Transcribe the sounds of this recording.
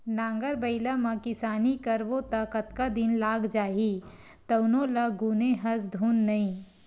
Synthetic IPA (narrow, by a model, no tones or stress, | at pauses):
nãːŋɡəɾbəɪlamɐ̃kɪsaːnikəɾʋot̪akət̪kad̪ɪnlaːɡd͡ʒaːɦi | t̪əʊnõlɐɡuːneɦɐs̬d̪ʱuːnːɐĩ